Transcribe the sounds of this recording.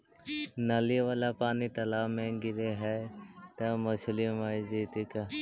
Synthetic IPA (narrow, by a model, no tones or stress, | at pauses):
naliʋaːlapaːnit̪ɐlaːmẽɡɪɾeɦɛt̪ɐmɐslimaːid͡ʒeːt̪ika